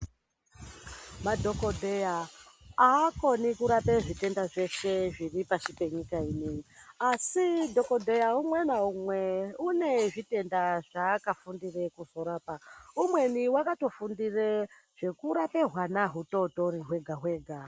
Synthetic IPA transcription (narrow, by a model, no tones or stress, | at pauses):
madʱo̞kodʱejaaːko̞nikuɾape̞ʐite̞ndaʐe̞ʃe̞ʐiripaʃipe̞ɲikaine̞ɲiasidʱo̞ko̞dʱe̞jaumwenaumweune̞ʐite̞ndaʐaːkafundire̞kuzo̞ɾaːpaumwe̞niwakato̞fundire | ʐ̥e̞kuɾape̞ɦwanaɦuto̞to̞ɾiɦwe̞ɡʱaɦwe̞ːɡʱa